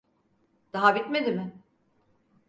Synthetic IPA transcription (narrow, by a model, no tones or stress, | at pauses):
d̪̥aɦabit̪med̪imɪ